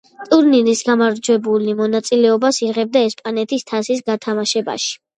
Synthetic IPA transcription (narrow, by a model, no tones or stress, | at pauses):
t̪ʼuɾninisɡamaɾd͡ʒwɛbulimɔnat̪sʼilɛɔbasiʁɛb̚d̪aɛspʼanɛt̪ʰist̪ʰasisɡat̪ʰamaʃɛba̰ʃi̥